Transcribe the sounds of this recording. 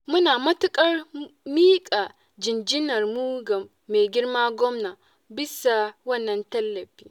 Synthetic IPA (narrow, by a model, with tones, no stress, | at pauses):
mʊ˦naː˨mɐ˦tʊ˦kʼɐ˦rmiː˦kʼaː˨ | d͡ʒɪ˨nd͡ʒɪ˦nɐ˨rmuː˦ɡɐː˨ | e˨ɡʲɪ˦rmaː˦ɡʷɔ˦mnaː˨ | bɪ˦sa˨wɐ˦˨nːɐ˨ntɐ˦lːɐ˨ɸiː˦